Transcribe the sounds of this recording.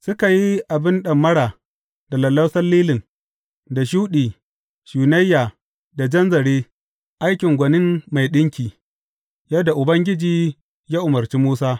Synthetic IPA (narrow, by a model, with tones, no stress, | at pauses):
sʊ˦ka˨ji˦ʔa˨bɪ˦nɗɐ˨mːɐ˦ɽaː˨ | da˨lɐ˨lːɐ˦sɐ˦lːiː˦lɪ˨ŋ | da˨ʃ̬uː˦ɗiː˨ | ʃuː˨nɐ˦jːaː˨ | da˨d͡ʒɐ˦nzɐ˨ɽeː˦ | ʔa˦jkʲɪ˨ŋɡʷɐ˨nɪ˦mːa˨jɗɪ˦ŋkʲiː˨ | jɐ˦da˨ʔʊ˨bɐ˦ŋɡʲɪ˦d͡ʒiː˨ | jaː˦ʔʊ˨mɐ˨rt͡ʃi˦muː˦saː˦